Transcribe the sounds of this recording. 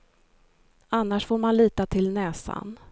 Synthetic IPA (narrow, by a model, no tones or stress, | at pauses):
anːaʂfoːɾmanliːt̪at̪ʰɪlnɛːsa̰n